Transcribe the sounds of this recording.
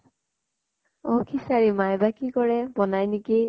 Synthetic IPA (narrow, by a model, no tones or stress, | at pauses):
ɔkʰisaɹimajbakikɔɹɛbɔnajniki